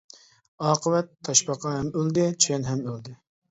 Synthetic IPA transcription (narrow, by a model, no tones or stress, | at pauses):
ɑːqʰəwɛt̪ʰːɑʃpɑqɑhɛmøld̪ɪt͡ʃʰyɛnɦɛmøld̪ɪ